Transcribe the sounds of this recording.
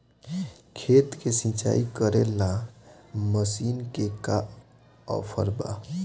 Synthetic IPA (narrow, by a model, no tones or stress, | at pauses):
kʰet̪kesĩt͡ʃa̰ikəɾelã | məsiːnkeka | ɔ̰pʰəɾba̰